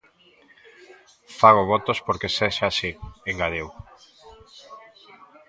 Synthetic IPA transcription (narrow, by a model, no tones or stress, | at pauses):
faɣoβɔt̪ospoɾkeseʃasieŋɡaðew